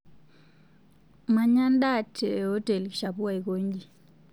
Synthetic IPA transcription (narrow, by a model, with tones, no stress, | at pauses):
ma˨ɲa˦nda˦˨tʰɛ˨ɔ˦tɛ˨lʃapu˦a˨i˨ko˦ɲɡi˨